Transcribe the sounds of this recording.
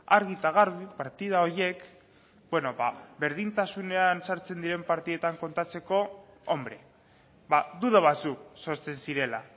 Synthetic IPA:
aɾɣit̪aɣ̞aɾβipaɾt̪iðao̞ɾje̞k | bwe̞no̞βaβe̞ɾð̞int̪asune̞ansaɾt͡se̞nd̪iɾe̞mpaɾt̪iðet̪aŋko̞nt̪at͡se̞ko̞ | ombɾe | βaðuðaβat͡sukso̞ɾt͡se̞nsiɾe̞la

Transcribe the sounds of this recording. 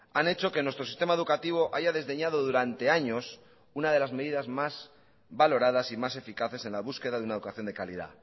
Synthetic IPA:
ane̞t͡ʃo̞ke̞nwe̞st̪ɾo̞si̥st̪e̞maeðukat̪iβ̞o̞ʔaʝaðe̞zðe̞ɲað̞o̞ðuɾant̪e̞aɲo̞s | unað̞e̞lazme̞ðiðazmaz | βalo̞ɾað̞asimase̞fikaθe̞se̞nlaβ̞uske̞ðaðunaeðukaθjond̪e̞kalḭða̰

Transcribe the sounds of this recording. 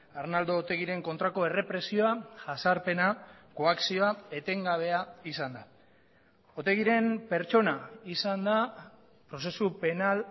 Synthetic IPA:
aɾnald̪o̞ːt̪e̞ɣiɾe̞ŋko̞nt̪ɾako̞e̞re̞pɾe̞sio̞aʝasaɾpe̞nako̞aksioae̞t̪e̞ŋɡaβ̞e̞aisand̪a | ot̪e̞ɣiɾe̞mpe̞ɾt͡ʃo̞naisand̪a | pɾo̞se̞supe̞nal

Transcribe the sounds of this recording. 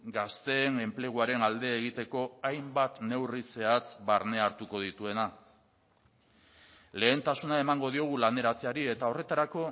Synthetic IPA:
ɡast̪e̞ːŋe̞mple̞ɣ̞uaɾe̞nald̪e̞ːɣit̪e̞ko̞ajmbat̪ne̞wrise̞at͡sbaɾne̞aɾt̪uko̞ð̞it̪ue̞na | le̞ːnt̪asunae̞maŋɡo̞ð̞io̞ɣ̞ulane̞ɾat͡seaɾie̞t̪ao̞re̞t̪aɾako̞

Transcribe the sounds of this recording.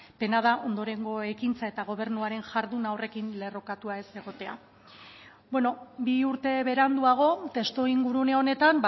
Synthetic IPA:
penað̞aʔo̞nd̪o̞ɾe̞ŋɡo̞e̞kint͡sae̞t̪aɣ̞o̞β̞e̞ɾnuaɾe̞nʝaɾðunawre̞kinle̞ro̞kat̪uae̞se̞ɣo̞t̪e̞a̰ | bweno̞biuɾt̪e̞βe̞ɾand̪uaɣ̞o̞t̪e̞st̪oiŋɡuɾuneo̞ne̞t̪amb

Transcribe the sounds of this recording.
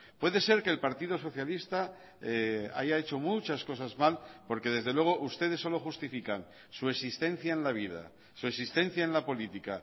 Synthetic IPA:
pwe̞ðe̞se̞ɾke̞ːlpaɾt̪iðos̬o̞θjalist̪a | ea̰ʝaet͡ʃo̞mut͡ʃasko̞sazmalpo̞ɾke̞ð̞e̞zðe̞lwe̞ɣ̞o̞ʔust̪e̞ð̞esːo̞lo̞xust̪ifikan | sue̞sist̪e̞n̟θjae̞nlaβ̞iða̰ | sue̞sist̪ẽ̞n̟θjae̞nlapo̞lit̪ika

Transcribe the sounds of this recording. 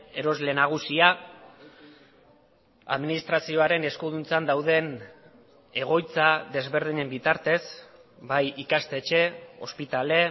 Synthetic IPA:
e̞ɾo̞zle̞naɣ̞usia | a̰ðminist̪ɾasio̞aɾe̞ne̞skuðunt͡sand̪awðe̞n | e̞ɣ̞o̞jt͡saðe̞zβe̞ɾð̞iɲe̞mbit̪aɾt̪e̞sbajikast̪e̞ːt͡ʃe̞o̞̰spit̪ale̞

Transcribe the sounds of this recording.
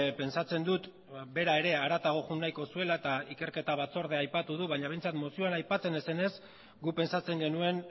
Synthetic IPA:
pe̞nsat͡se̞nd̪ut̪ | be̞ɾae̞ɾe̞aɾat̪aɣ̞o̞ɣunːajko̞sue̞laet̪aike̞ɾke̞t̪aβ̞at͡so̞ɾðe̞ajpat̪uð̞uβajɲaβe̞jnt͡sat̪mo̞siuoanajpat͡se̞ne̞se̞ne̞s | ɡupe̞nsat͡se̞ŋɡe̞nue̞n

